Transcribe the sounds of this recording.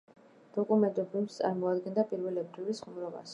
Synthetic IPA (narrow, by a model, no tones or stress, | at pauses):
d̪̥ɔkʼumɛnt̪ʼubimst̪sʼa̰ɾmɔad̪ɡɛnd̪apʼiɾvɛlɛbɾiɾisχumɾɔba̰s